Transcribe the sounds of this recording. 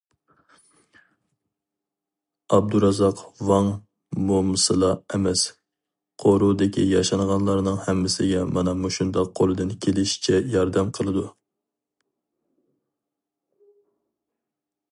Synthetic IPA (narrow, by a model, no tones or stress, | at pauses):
ɑb̚d̪uɾɑzɑqwɑŋ | momɨsɨlˠɑɛmɛs | qʰoɾud̪ɪkʲijɑʃɑnʁɑnlˠɑɾnɨŋhɛmːɪsɪɡʲɛmɑnɑmuʃund̪ɑqʰːolˠɨd̪ɨnkʲʰelɪʃi̥t͡ʃʰɛjɑɾd̪ɛmqʰəlˠɨd̪u